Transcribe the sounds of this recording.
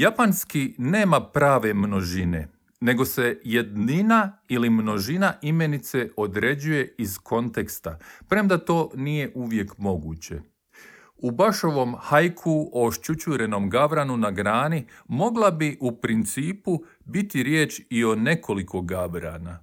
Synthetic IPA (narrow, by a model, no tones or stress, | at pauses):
japanskine̞ːmapɾaːʋe̞mno̞ʒine̞̰ | ne̞ɡose̞jed̪ninailimno̞ʒinaʔime̞nit̪se̞o̞d̪ɾe̞d͡ʑuje̞izkʰo̞nt̪e̞kst̪apɾe̞md̪at̪o̞ːnije̞ʔuʋje̞kmo̞ɡuːt͡ɕe̞̰ | ubaʃo̞ʋo̞mhajkʰuooʃt͡ʃut͡ɕuɾe̞no̞mɡaʋɾanunaɡɾaːnimo̞ɡlˠabiʔupɾint̪siːpu | bit̪iɾjeːt͡ʃio̞ne̞kʰo̞likʰo̞ɡaʋɾa̰na